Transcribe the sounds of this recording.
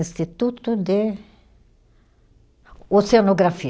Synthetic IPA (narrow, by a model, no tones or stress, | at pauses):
ĩst̪it̪ut̪ʊd̪ɪ | oseanoɡɾafi